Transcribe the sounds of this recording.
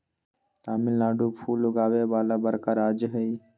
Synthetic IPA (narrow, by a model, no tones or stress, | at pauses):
t̪aːmĩlaːɖupʰuːlʊɡaːwebaːlabəɾkaɾaːd͡ʒɦəi